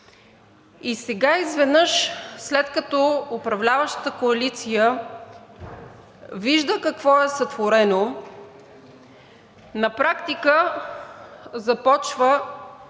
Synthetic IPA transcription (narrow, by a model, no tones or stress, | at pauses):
isɛɡaizvɛd̪nɤʃslɛt̪kɐt̪ɔʊpɾɐvlʲavəʃt̪ə̥t̪əkoɐlit̪sijə | viʒd̪əkɐkvɔɛsət̪voɾɛno | nɐpɾakt̪ikə | zɐpɔt͡ʃvə